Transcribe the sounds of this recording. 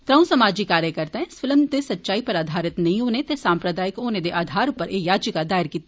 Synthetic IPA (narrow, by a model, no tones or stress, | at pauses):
t̪ɾəũsɐmaːd͡ʒikaːɾjəkɐɾt̪eɦɛ̃sfɪlmd̪esɐtːʃaːipɐɾaːd̪ʱaːɾɪt̪nɐɦĩɦoːnet̪esãːmpɾəd̪aːɪkoːned̪eʔaːd̪ʱaːɾʊpəɾejaːd͡ʒikad̪aːɪɾkiːt̪ː